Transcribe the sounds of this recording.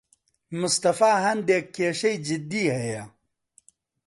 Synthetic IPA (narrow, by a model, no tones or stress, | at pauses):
mʊst̪ɐfaːɦɐnd̪eːkːeːʂɐjd͡ʑid̪iːhɐja